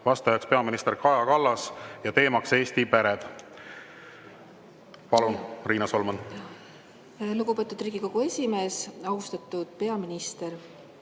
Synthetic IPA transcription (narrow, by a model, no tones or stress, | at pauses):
vɑst̪ɑjɑkspe̞ɑminist̪e̞ɾkɑjɑkɑlːɑsjɑt̪e̞ːmɑkse̞ːst̪ipæɾed̪̥ | pɑlunriːnɑso̞lmɑn | luɡupe̞ːt̪ːˑud̪riːɡ̥iko̞ɡ̥ue̞sʲime̞ːsɑust̪ɑt̪ːˑud̪̥pe̞ɑminist̪e̞ɾ